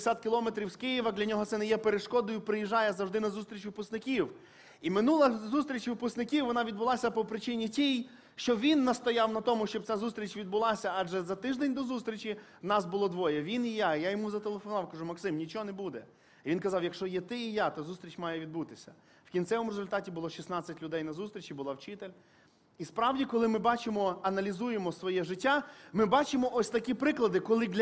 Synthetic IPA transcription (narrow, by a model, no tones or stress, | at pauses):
sʲat̪̚kʲɪlˠɔmet̪ɾʲiwskɪjiʋɐd̪lʲɐnʲɔɦɔt̪sɛnɛjɛpeɾeʃkɔd̪ʊjʊpɾɪjiʒɑjɛzɐwʐd̪ɪnɐzust̪ɾʲit͡ʃʋɪpʊst̪nɪkʲiw | imɪnulˠɐzust̪ʲɾʲit͡ʃʲʋɪpʊst̪nɪkʲiwʋɔnɑʋʲid̪̚bʊlˠɑsʲɐpɔpɾɪt͡ʃɪnʲitʲij | ʃt͡ʃɔʋʲinːɐst̪ɔjɑwnɐt̪ɔmʊʃt͡ʃɔb̚t͡sʲazust̪ʲɾʲit͡ʃʲʋʲid̪̚bʊlˠɑsʲɐɑʒɛzɐt̪ɪʒd̪enʲd̪ɔzust̪ʲɾʲit͡ʃʲi | nɑsbʊlˠɔd̪ʋɔjɛʋʲinijajajɔmuzɐt̪elˠefɔnɑwkɐʐumɐksɪmnʲit͡ʃɔɔnɛbud̪ɛ | iʋinkɐzɑwjɐkʃt͡ʃɔjɛt̪ɪijat̪ɔzust̪ɾʲit͡ʃʲmɑjɛʋʲid̪but̪ɪsʲɐ | wkʲint͡sʲɛʋɔmʊɾezʊlʲt̪ɑtʲibʊlˠɔʃʲisnɑt͡sʲːɐtʲlʲʊd̪ɛjnɐzust̪ʲɾʲit͡ʃibʊlˠɑwt͡ʃɪt̪elʲ | ispɾɑwdʲikɔlˠɪmɪbɑt͡ʃɪmɔɐnɐlʲizujemɔsʋɔjɛʒɪtʲːamɪbɑt͡ʃɪmɔʔɔsʲt̪ɐkʲipɾɪklˠɐd̪ɪkɔlˠɪd̪lʲ